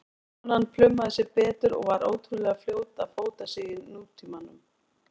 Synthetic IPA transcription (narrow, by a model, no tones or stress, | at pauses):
anːanːflʏmːaðɪsɛɾpɛːt̪ʏɾɔ̰ɣvaɾoːwt̪ʰɾʏlɛɣafljoːwt̪afoːwt̪asɪːjɪːuːt̪ʰimanːʏ̰m